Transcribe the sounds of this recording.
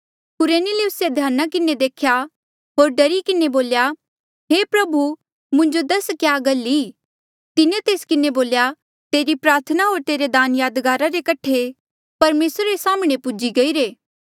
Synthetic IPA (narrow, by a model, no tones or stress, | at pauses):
kʊɾeːnɪliʊsed̪ʱjaːnakɪned̪eːkʰja | ɦoːɾɖɐɾikɪneboːlja | ɦeːpɾɐbu | mʊ̃ɲd͡ʒod̪ɐskjaːɡɐlːi | t̪ɪnet̪eːskɪneboːlja | t̪eːɾipɾaːɾt̪ʰənaɦoːɾt̪eːɾed̪aːnjaːd̪ɡaːɾaɾekɐʈʰe | pɐɾmeːsɾaɾesaːmɽ̃epʊd͡ʒiɡɐiːɾeː